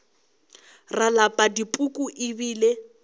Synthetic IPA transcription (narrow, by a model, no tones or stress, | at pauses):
ralapʼadipʼukʼuʔɪbiːle